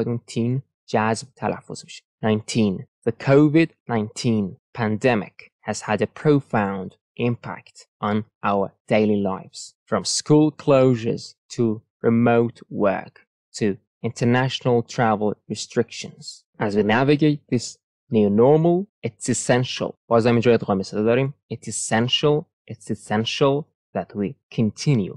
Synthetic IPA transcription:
tʰĩn̥ | d͡ʒæztʰa̰lə̰fz | nãɪ̃ntʰĩnðɨkʰoʊvɪdⁿnãɪ̃ntʰĩnpʰæ̃ndɛmɪ̰khɨz̥əɾɨpʰɹ̥oʊfãʊ̃nd | ʔɪ̃mpʰa̰k̚t | n̩ʔaʊə˞d̥eɪlˠilaɪfz̥fɹʌ̃mskulˠkʰl̥oʊʒə̰˞z̥tʰə | ɹɨmoʊtwɜ̰˞k | tʰɨ | ɪ̃ntʰənæʃnl̩ˠtʰɹ̥ævəl̩ˠɹɨstɹ̥ɪkʃɨ̃nz̥ | ʔəzwinævɨɡeɪt̪̚ðɪs | nʉnɔɹml̩ˠɪtsɨsɛ̃nʃə̰lˠwʌzãɪmɨ̃nd͡ʒɔ̃ɪdʁɔməsələdɔɾĩmɨtsɨsɛ̃nʃəl̩ˠ | ʔɪtsɨsɛ̃nʃəl̩ˠ | ðɨt̚wikʰɨ̃ntʰɪ̃njʉ̰

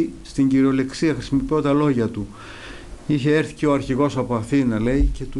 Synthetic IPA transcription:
ist̪iɲɟiɾeo̞le̞ksiɐxɾi̥simo̞pio̞t̪ɐlo̞ʝɐt̪u | içe̞eɾθi̥ceoɐɾçiɣo̞sɐpoɐθinɐle̞ice̞t̪u

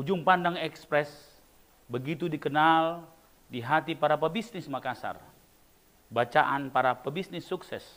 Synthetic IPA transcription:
ud͡ʒuŋpandaŋɛkspɾɛs | bəɡit̪udikənal | diɦat̪ipaɾapəbisnɪsmakasa̰r | bat͡ʃaʔanpaɾapəbisnɪsːuksɛ̰s

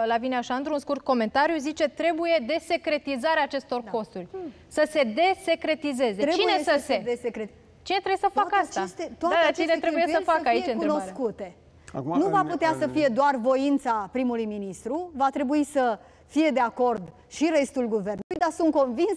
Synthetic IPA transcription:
lavineaʃaɨnt̪ɾunskurt̪̚ko̞me̞nt̪aɾjuzit͡ʃe̞t̪ɾe̞buje̞d̪e̞se̞kɾe̞t̪izaɾeaːt͡ʃe̞st̪o̞rko̞st̪urʲ | səse̞d̪e̞se̞kɾe̞t̪ize̞ze̞ɾet͡ʃinesəsed̪esekɾe | t͡ʃine̞t̪ɾebjesəfakkastt͡ʃ̪aeast̪et̪oad̪aat͡ʃenet̪ɾe̞bujesəfakkait͡ʃenk̪uɾnoskut̪e̞ | a̰knuvaput̪easəfije̞d̪oarvo̞int̪sapɾimulujminist̪ɾuvat̪ɾe̞buisə | fije̞d̪e̞ako̞rd̪ | ʃiɾe̞st̪ulɡuve̞rnulujd̪asunt̪̚ko̞nvins

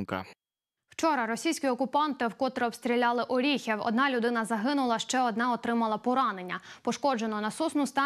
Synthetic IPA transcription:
kɐ̰ | w̥t͡ʃɔɾɐɾɔsʲijsʲkʲiɔkʊpɑnt̪ɪwkɔt̪ɾeɔpst̪ɾʲilʲɑlˠɪʔɔɾʲixʲɛwɔ̰d̪nɑlʲʊd̪ɪnɐzɐɦɪnʊlˠɐʃt͡ʃɛɔd̪nɑɔt̪ɾɪmɐlˠɐpɔɾɑne̞nʲːɐpɔʃkɔd͡ʒenɔnɐsusnʊst̪ɑ

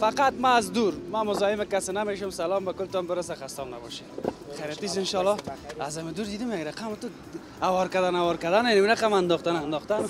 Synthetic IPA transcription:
faqat̪maːzd̪uɾmamʊzɔjɪmɪkasɪnameʃʊmsalɔmbakʊlt̪ɔmbɪɾasaxast̪ɔnna̰bɔ̰ʃeχaɾat̪is̬ɪnʃɔlːɔazamɪd̪uɾd̪id̪ɪmjaɡɾaqamt̪ʊ | awɔɾkad̪anawɔɾkad̪anenamiɾaqamand̪ɔχt̪anand̪ɔχt̪an

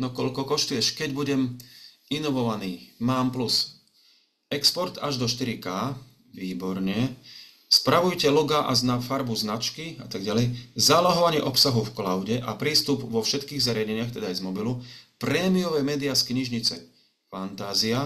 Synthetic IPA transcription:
nɔkɔlkɔkɔʃt̪ujɛʃkɛɟbuɟɛm | inɔʋɔʋaniːmaːmplus | ɛkspɔɾt̪aʒd̪ɔʃt̪iɾikaː | ʋiːbɔɾɲɛ | spɾaʋujcɛluɡaʔaznafaɾbuznat͡ʃkia̰t̪aɡɟalɛjzalaɦɔʋaɲɪɛʔɔpsaɦufklaʊɟɛʔapɾiːst̪ubʋɔfʃɛt̪kiːɣzʋɛɾɪjaɲɛɲɪaxt̪ɛd̪aajzmɔbilupɾɛːmijɔʋɛːmɛːd̪iaskɲiʒɲit͡sɛ̰ | fant̪aːzia

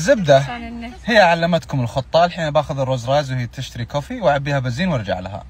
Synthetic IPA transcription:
zːɪb̚d̪ahɪjːaʕalːamat̪kʊmɪlxʊt̪ˤːɑːlħiːnabaːxʊðɪrˤːoːzɾˤɑːzwhɪjːt̪ːɪʃt̪aɾikoːfiwʕabːiːhabaziːnwɪɾˤd͡ʒa̰ʕlaha̰

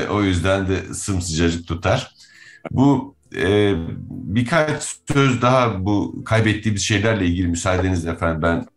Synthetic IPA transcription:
ʔo̞jyzd̪ænd̪ɛsɯmsɯd͡ʒad͡ʒɯk̚t̪ʰut̪ʰaɾ̥ | bu | bikʰat͡ʃsøzd̪aɦabukʰajbɛt̪ʰːiːmizʃe̞jlʲæɾlʲɛilʲɟilʲimysaːd̪e̞nizd̪ɛfænd̪mbæn

